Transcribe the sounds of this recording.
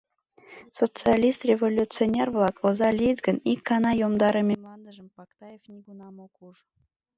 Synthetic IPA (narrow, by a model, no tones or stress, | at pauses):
sot͡sɨalʲist̪rʲevolʲutt͡sɨonʲervlˠɑkozɑlʲid̪ɡənikːɑnɑjomd̪ɑɾəmʲemlˠɑnd̪əʒəmpɑkt̪ɑjefnʲiɡunɑmokuʒ